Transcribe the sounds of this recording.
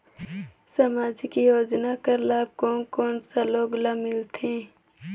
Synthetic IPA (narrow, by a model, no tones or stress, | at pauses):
sɐmaːd͡ʒkijoːd͡ʒnakəɾlaːb̚koːnkoːnsaloːɡlamɪlt̪ʰẽː